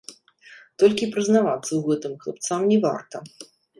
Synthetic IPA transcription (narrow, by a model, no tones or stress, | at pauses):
t̪ɔlʲkʲipɾɨznavat̪sːɐwɣɛt̪ɨmklˠɐ̰p̚t̪samnʲɛva̰rt̪ɐ